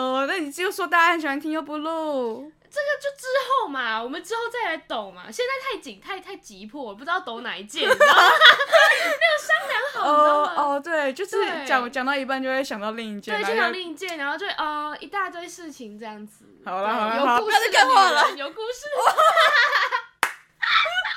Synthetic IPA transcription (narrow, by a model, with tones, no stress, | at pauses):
ə˧na˥˩ni˨˩˥jo˥˩ʊʂwɔ˥t̪a˥˧˩a˥˩ə˧n˩ɕɛ˨˩a˧˥nt̪ʰi˥jo˥˧ʊpu˧lu˥˩ | ʈ͡ʂɤ˥˩ɡə˨t͡ɕjo˥˩ʊʈ͡ʂɻ̩˥xo˥˩ʊma˩wɔ˨˩mə˨˦nʈ͡ʂɻ̩˥xo˥˧ʊt͡sa˥˩ɪla˧˥ɪt̪o˨˩ŋma̰˨ɕjɛ˥˧nt͡sa˥˧ɪt̪ʰa˥˩ɪt͡ɕi˨˩ŋt̪ʰa˥˧ɪa˥˩ɪt͡ɕi˧˥pʰwɔ˥˩wɔ˨˩pu˥˧ʈ͡ʂ̩̪˧˥ɑ˥˩ʊt̪o˧˥ʊna̰˨˩i˧˩t͡ɕjɛ˥˩ | na˥˩o˨˩ɕɑ˥ŋna˧˥nxɑ˨˩˧ɔ˧t̪we˥˩ɪt͡ɕjo˥˧ʊʂɻ̩˥˩t͡ɕjɑ˨˦ŋt͡ɕɑ˨˩ŋt̪ɑ˥˩ʊi˧˥p̬a˥˧nt͡ɕjo˥˧ʊkwe˥˩ɕjɑ˨˩ŋt̪ɑ˥˧ʊli˥˧ŋi˥˩t͡ɕjɛ˥˧˩ɕɑ˨˩ŋt̪ɑ˥˧ʊli˥˧ŋi˥˩t͡ɕjɛ˥˩nɻa˧˥nxo˥˧t͡ɕo˥˧wʔɔ˧˩i˧˥t̪a˥˧t̪we˥˧ʂɻ̩˥˩t͡ɕʰi˧˥ŋʈ͡ʂɤ˥˧jɑ˥˩ŋd͡z̩˨˩ɑ˨˩˧jo˨˦u˥˧˥a˥˧a˥˩lə˨jo˨˧ʊku˥˧ʂɻ̩˥˧